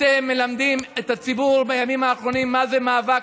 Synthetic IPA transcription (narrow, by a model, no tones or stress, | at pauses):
emːe̞lamd̪ime̞tat͡sibuʁbajamimaːχʁo̞nimːazemaːva